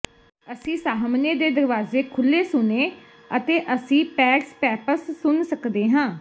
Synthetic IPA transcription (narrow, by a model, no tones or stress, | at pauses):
əsĩːsaːɦmneːd̪eːd̪əɾʋaːzeːkʰʊlːeːsʊneː | ət̪eːʔəsĩːpɛːkspɛːpəɾsːʊnsəkd̪eːɦãː